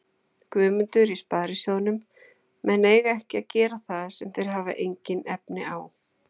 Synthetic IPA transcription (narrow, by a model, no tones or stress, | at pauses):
kvʏːmʏnt̪ʏɾispaːɾɪsjownʏm | mɛneːjɣaɛhcɪacɛːɾaθaðsɛmθejɾ̥ɦaːva̰ʔejɲcɪnɛpnɪaːw